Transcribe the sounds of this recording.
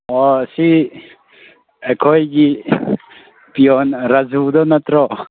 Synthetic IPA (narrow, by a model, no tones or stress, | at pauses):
ɔsi | ekʰɔjɡi | pijɔnɾazud̪ɔnɐt̪ɾɔ